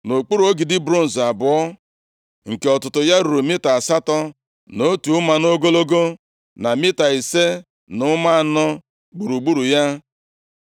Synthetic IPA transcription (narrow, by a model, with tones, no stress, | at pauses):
no˨k͡pu˦ɾu˨o˦ɡi˨dɪ˦bɾo˦n̩˨za˨bʊ˨ɔ˦ | ŋ̩˨ke˨ɔ˨tʊ˨tʊ˨ja˦ɾu˨ɾu˨mɪ˦ta˨a˨sa˦tɔ˦ | no˦tu˨ʊ˦ma˨no˦ɡo˦lo˦ɡo˦ | na˨mɪ˦ta˨i˨se˦ | nʊ˦ma˦a˨nɔ˦ | ɡ͡bu˨ɾu˨ɡ͡bu˦ɾu˨ja˦